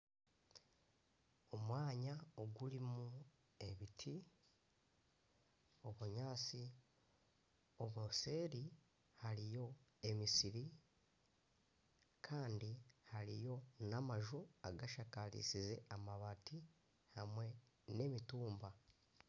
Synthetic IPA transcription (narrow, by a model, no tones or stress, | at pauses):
o̞mwaːɲaoɡulimu | e̞βitʰi | o̞βuɲaːt͡si | oβose̞ːɾi | haɾijo̞e̞misiɾi | kʰaːndihaɾḭjo̞namaʒuaɡaʃakalḭsize̞amaβati | hamwe̞ | ne̞mituːmba